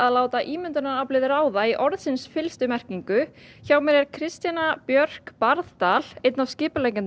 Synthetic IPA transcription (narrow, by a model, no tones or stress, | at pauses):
aðlaːwt̪aʔiːmʏnt̪ʏnaɾaplɪðɪɾaːwðaiʔɔɾðsɪnsfɪlst̪ʏmɛr̥ciŋkʏçawmɛɾɛɾ̥kʰɾɪst̪janapjœr̥kpaɾðt̪aːl̥ejt̪navscɪːpʏlɛjŋcɪn